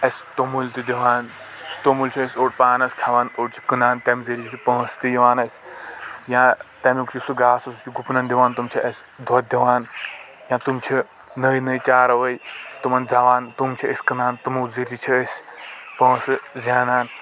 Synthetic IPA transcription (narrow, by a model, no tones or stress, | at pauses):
ɐsʲt̪omult̪id̪ʲiʋaːn | st̪omult͡ʃʰiəsʲoːʈpaːnɐskʲʰaʋaːnoːʈt͡ʃʰi̥kɨnaːnt̪ɐmziɾit͡ʃʰit̪ʰipɐ̃ːst̪ijɐʋaːnɐsʲ | jãt̪ɐmʲukt͡ʃʰisuɡaːsɐst͡ʃʰiɡupnɐnd̪iʋaːnt̪umt͡ʃʰiɐsʲ | d̪ʱɐt̪̚d̪iʋaːn | jãːt̪umt͡ʃʰi | nɐjnɐjt͡ʃaːɾɐʋɐjt̪umɐnd͡zaːʋaːnt̪umt͡ʃʰiɐsʲkɨnaːnt̪umuzɐɾit͡ʃʰiəsʲpɐ̃ːsɨzʲaːnaːn